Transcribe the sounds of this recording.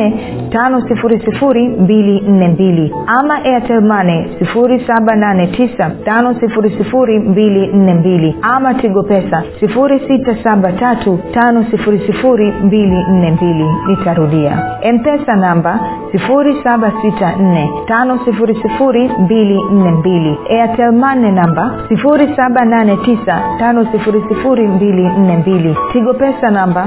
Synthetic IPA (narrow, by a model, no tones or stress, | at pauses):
ɛ | tanɔsifuɾisifuɾimbilin̩nɛmbili | amaʔɛatɛmanɛsifuɾisaɓananɛtʰisatanɔsifuɾisifuɾimbilin̩nɛmbiliamatiɠɔpɛsasifuɾisitasaɓatatutanɔsifuɾisifuɾimbilin̩nɛmbilinitaɾuɗia̰ɛm̩pɛsanamba | sifuɾisaɓasitan̩nɛtanɔsifuɾisifuɾimbilin̩nɛmbiliɛatʰɛlmanɛnambasifuɾisaɓananɛtisatanɔsifuɾisifuɾimbilin̩nɛmbilitiɠɔpɛsanamba